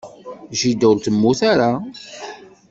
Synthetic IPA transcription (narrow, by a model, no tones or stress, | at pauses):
ʒid̪uɾt̪əmːuθaɾa